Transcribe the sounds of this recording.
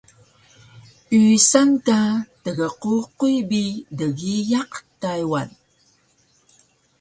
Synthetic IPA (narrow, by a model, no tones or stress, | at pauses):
ysankatəɣəququjbidəɣijaqtajwa̰n